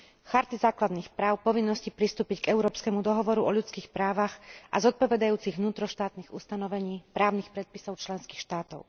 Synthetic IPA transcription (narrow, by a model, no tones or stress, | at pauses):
xaɾt̪izaːklad̪niːxpɾaːʊpɔʋinːɔscipɾist̪uːpicɡɛʊɾɔːpskɛmud̪ɔɦɔʋɔɾuʔɔʎut͡skiːxpɾaːʋaɣʔa̰zɔt̪̚pɔʋɛd̪ajuːt͡siɣʋnuːt̪ɾɔʃt̪aːt̪niɣṵst̪anɔʋɛɲiːpɾaːʊnixpɾɛt̪̚pisɔʊt͡ʃlɛnskiːxʃt̪aːt̪ɔʊ